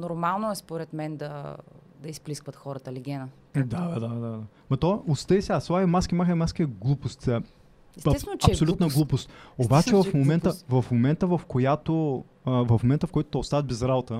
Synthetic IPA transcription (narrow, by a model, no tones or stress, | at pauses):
noɾmalˠnoɛspoɾɛt̪mɛnd̪ɐ | d̪ɐispliskvət̪xɔɾət̪əliɡʲɛnə | d̪ad̪ad̪ad̪ad̪a | mɐt̪ɔʔost̪əisɛasˠajimaskʲimaxəmaskʲiɛɡlˠupost̪ | sɐt͡ʃɐsolʲut̪nəɡlˠupost̪obat͡ʃɛvɐfmomɛnt̪əvɐfmomɛnt̪əvɐfkojat̪o | əvɐfmomɛnt̪əfkoɔjt̪ʊt̪ɛʊst̪aət̪̚bɛzɾabot̪ə